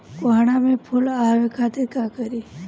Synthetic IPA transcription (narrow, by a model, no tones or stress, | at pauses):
koaɽ̃amẽpʰʊlaʋekʰaːt̪ɪɾkakəɾi